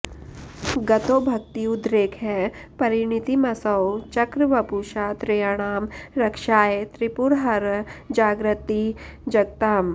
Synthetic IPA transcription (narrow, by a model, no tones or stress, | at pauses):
ɡɐt̪oːbʱɐk̚t̪iʊd̪ɾeːkʰɦɛpɐɾɪñit̪imɐsɐwt͡ʃɐkɾʋɐpuːʃaːt̪ɾejaɽ̃aːmɾɐkʃaːet̪ɾipuɾɦɐɾd͡ʒaːɡɾɪt̪ːid͡ʒɐɡ̚t̪aːm